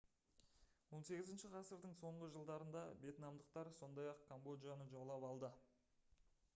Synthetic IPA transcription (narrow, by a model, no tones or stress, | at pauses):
wo̞nse̞ɡʲɪzɪnʃɪqʰɑsəɾd̪əɴso̞ɴʁəʒəlˠd̪ɑɾənd̪ɑbe̞t̪nɑmd̪əqt̪ɑɾso̞nd̪ɑjɑq̚kʰombo̞d̪ijanəʒolˠɑpɑlˠd̪ə